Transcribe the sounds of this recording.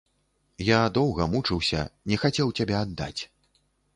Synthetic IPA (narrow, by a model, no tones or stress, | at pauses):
jad̪ɔwɣɐmut͡ʂɨwsʲɐ̰nʲɛxat͡sʲɛwt͡sʲabʲɛad̪ːa̰t͡sʲ